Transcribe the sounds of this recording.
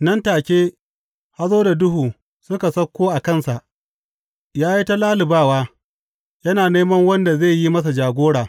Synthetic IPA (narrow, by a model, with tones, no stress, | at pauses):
nɐ˦ntaː˨kʲeː˦ | ha˦zoː˦da˨dʊ˦ɦuː˨ | sʊ˦ka˨sɐ˦kʷːoː˦ʔa˨kɐ˦nsa˨ʔ | jaː˦ji˦ta˦laː˦lɪ˨baː˦waː˦ | jɐ˦naː˨neː˦mɐ˦ŋwɐ˦nda˨ze˦˨ji˦mɐ˦s̬a˨d͡ʒaː˨ɡʷoː˦ɽaː˨